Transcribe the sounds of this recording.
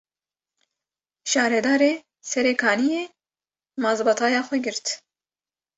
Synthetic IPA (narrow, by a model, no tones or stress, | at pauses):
ʃɑːɾɛd̪ɑːɾeː | sɛɾeːkʰɑːnijeː | mɑːzbɑt̪ʰɑːjɑːxʷɛɡɨɾt̪